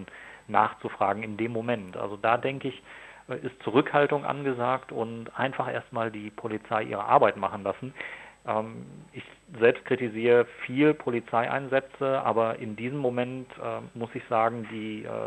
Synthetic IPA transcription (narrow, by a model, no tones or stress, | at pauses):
nnaːχt͡sufʁ̥aːɡŋ̩ɪndeːmːomɛntʔa̰lzodaːdɛŋkəɪçʔʔɪstt͡suʁ̞ʏkhaltʊŋʔa̰nɡəzaːktʊntʔaɪnfaχʔḛːɐstmaːldiːpʰolit͡saɪʔḭːʁ̞ə̰ʔa̰ɐbaɪtmaχn̩lasn̩ʔɛːmɪçzɛlpst̚kʁ̥itiziːʁəfiːlpʰolit͡saɪʔa̰ɪnzɛt͡səʔa̰ːbɐʔɪndiːzəmːomɛntʔɛːmʊsɪçz̥aːɡŋ̩dḭː